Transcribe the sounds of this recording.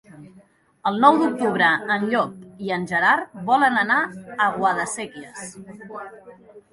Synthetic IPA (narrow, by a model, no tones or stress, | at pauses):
əlˠnɔwd̪uk̚t̪uβ̞ɾəənʎɔkiənʲʒəɾarβɔlənənaəɣwaðəseɣiəs